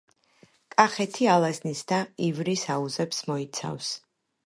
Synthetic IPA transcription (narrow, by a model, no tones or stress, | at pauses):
kʼaχɛt̪ʰialˠaznisd̪aivɾisauzɛpsmɔit̪sʰa̰fs